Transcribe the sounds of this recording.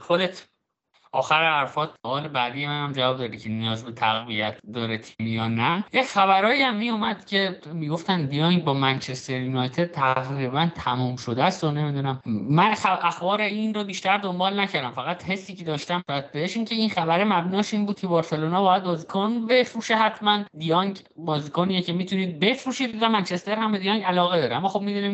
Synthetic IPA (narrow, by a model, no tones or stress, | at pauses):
xod̪et̪ʰ | ʔɒːxæɾehæɾfɒːd̪soɒːle̞bæd̪ijemænæmd͡ʒævɒːb̚d̪ɒːɾicʰe̞nijɒːzbe̞t̪ʰæɣvijæt̪ʰd̪ɒːɾet̪ʰimijɒːnæjecxæβæɾɒːiæmːiːjomæd̪̥cʰe̞miːɡo̞ft̪ænd̪iɒŋbɒːmænt͡ʃʰe̞st̪eɾjunɒjt̪ʰed̪̚t̪ʰæʁɾibænt̪ʰæmuːmʃod̪æst̪o̞ne̞mid̪uːnæmmænxæʔæxbɒːɾeinrobiːʃt̪æɾd̪o̞mbɒːlnæcʰæɾd̪æmfæɣæt̪he̞sːiːcʰe̞d̪ɒːʃt̪æmbɒːjæd̪̚beheʃiːŋcʰe̞inxæbæɾemæbnɒːʃiːnbuːd̪̚cʰe̞bɒːɾse̞loːnɒːbɒːjæd̪̚bɒːzikʰonbe̞fɾuːʃeɦæt̪ʰmænd̪ijɒŋɟ | bɒːziːkʰonijecʰe̞miːt̪ʰuniːd̪̚be̞fɾuːʃiːd̪zæmænt͡ʃʰe̞st̪e̞ɾhæmbed̪ijɒŋɡælɒːɣed̪ɒːɾeæmːɒːxo̞b̚mid̪uːnim